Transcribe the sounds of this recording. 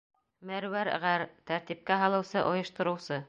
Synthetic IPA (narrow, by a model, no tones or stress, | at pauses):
mæɾwæɾʁæɾt̪æɾt̪ip̚kæɦɑlˠɤ̆wsɤʔŏjɤ̆ʃt̪ɤ̆ɾɤ̆wsɤ